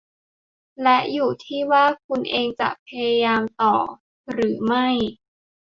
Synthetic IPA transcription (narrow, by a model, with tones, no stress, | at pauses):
lɛ˦˥ʔjuː˨˩t̪ʰiː˥˩waː˥˩kʰu˧nʔeː˧ŋt͡ɕa̰˨˩ʔpʰa˧ja˧jaː˧mt̪ɔː˨˩ | ɾɯː˩˦ma˥˩j